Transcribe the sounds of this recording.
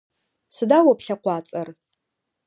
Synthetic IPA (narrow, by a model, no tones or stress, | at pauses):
sɨdawapɬɐqʷaːt͡sʼɐr